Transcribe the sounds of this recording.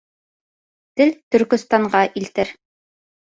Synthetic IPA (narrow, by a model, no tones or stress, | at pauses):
t̪ɘlt̪ɵ̆ɾkɵ̆st̪ɑɴɢɑʔilt̪ɘɾ